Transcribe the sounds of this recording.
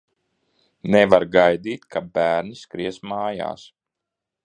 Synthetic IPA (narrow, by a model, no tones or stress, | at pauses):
nɛvaɾɡajd̪iːt̪kʰabæːɾniskɾiɛsmaːja̰ːs